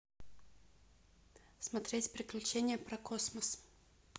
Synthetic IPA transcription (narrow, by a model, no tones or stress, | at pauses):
smɐt̪ɾʲetʲpɾʲɪklʲʉt͡ɕenʲɪjəpɾɐkosməs